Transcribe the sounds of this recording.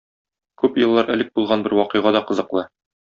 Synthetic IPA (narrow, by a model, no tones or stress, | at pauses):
kʉpjɤ̆lˠːɑɾʔæ̆lɘk̚bulˠʁɑnbɘɾwɒqɤjʁɑd̪ɒqɤ̆zɤ̆qlˠɤ